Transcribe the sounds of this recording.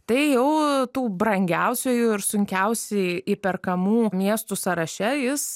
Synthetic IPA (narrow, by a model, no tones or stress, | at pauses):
t̪ɐɪjɛʊt̪uːbɾɐŋʲɡʲɛʊsʲojuːɪɾsʊŋʲkʲɛʊsʲɛɪipʲɛrkɐmuːmʲiɛst̪usɐɾɐʃʲɛjɪs